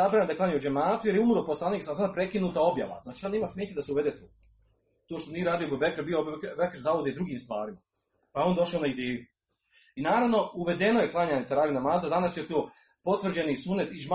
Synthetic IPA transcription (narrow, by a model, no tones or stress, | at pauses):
abɾaːemd̪aklˠaːɲeud͡ʒemaːt̪ujeɾjeumɾoposlˠaniːksasad̪apɾe̞kinuːt̪ao̞bja̰ʋa̰znaːt͡ʃioneːmasmʲeːt̪ed̪aseuʋed̪et̪oː | t̪oːʃt̪oniːɾaːd̪ijobebekeɾbiobkbekeɾzaʋod̪ed̪ɾuɡiːmst̪ʋa̰ːɾima | pajeo̞nd̪o̞ʃaonaid̪eːju | inaːɾaʋno̞uʋe̞d̪e̞noje̞klˠaɲaːɲet̪aɾaːʋinamaːzad̪anasjet̪oː | po̞t̪ʋr̩d͡ʑenisunet̪iʒma